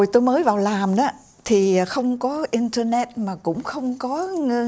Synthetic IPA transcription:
jt̪o˧jməː˨˦jvaː˨˩wlaː˨˩mɗaː˨˦ | t̪ʰi˨˩˨xə˧wŋ͡mkɔ˨˦ʔi˧nt̪ə˧nɛ˧t̚maː˨˩kʊ̰˧˥ŋ͡mxə˧wŋ͡mkɔ˨˦ŋə˧

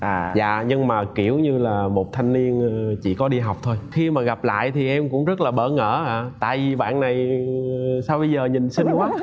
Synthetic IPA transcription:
ʔaː˨za̰ː˧˨ɲɨ˧ŋmaː˨˩ki˧˩əwɲɨ˧laː˨˩mo˨˩t̚t̪ʰa˧jŋ̟li˧ənː˧t͡ɕḭ˧˨kɔ˨˦ɗi˧ɦa˨˩wk͡p̚t̪ʰo˧jxi˧maː˨˩ɣa˨˩p̚la̰ː˧˨jt̪ʰi˨˩ʔɛ˧mkʊ̰˧˥ŋ͡mzə˦˥t̚laː˨˩ɓə̰ː˧˩ŋə̰ː˧˥aː˧˩t̪a̰ː˧˨jvi˨˩ɓa̰ː˧˨nna˨˩j | saː˧wɓə˧jzəː˨˩ɲi˨˩nsï˧ŋ̟kwaː˦

